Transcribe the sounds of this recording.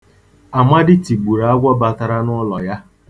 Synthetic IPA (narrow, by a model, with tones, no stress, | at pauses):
a˨ma˦dɪ˦ti˨ɡ͡bu˨ɾa˨a˦ɡʷɔ˦ba˨ta˨ɾa˦nɔ˦lɔ˨ja˦